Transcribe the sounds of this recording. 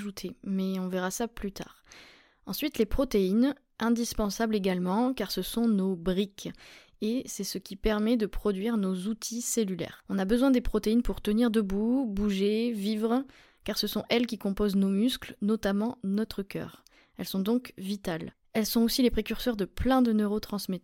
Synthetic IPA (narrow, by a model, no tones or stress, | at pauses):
ʒut̪ʰemɛɔ̃vɛʁasaplyt̪a̰ːʁ | ɑ̃sɥit̪lepχɔt̪ein | ʔɛ̃d̪ispɑ̃sableɡalmɑ̃kaʁsəsɔ̃nobʁikʲ | esɛsəkʲipɛʁmɛd̪əpχɔd̪ɥiʁnozut̪ʰiselylɛ̰ːʁɔ̃nabəzwɛ̃d̪epχɔt̪einpuʁt̪əniʁd̪əbubuʒevivʁ | kaʁsəsɔ̃ʔɛlkʲikɔ̃poznomysklnɔt̪amɑ̃nɔt̪χəkʲœ̰ːʁ | ɛlsɔ̃d̪ɔ̃kvit̪al | ɛlsɔ̃osilepχekʲyʁsœʁd̪əplɛ̃d̪ənøʁot̪χɑ̃smɛt̪